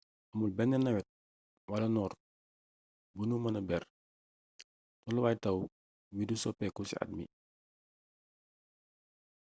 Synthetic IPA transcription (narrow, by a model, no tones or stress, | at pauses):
ʔɐmulbɛnːɛnɐwɛt̚ | wɐlɐnɔːr | bunumɐnɐbɛr | tɔluwaːjtɐw | widusɔpɛkusḭa̰t̚mḭ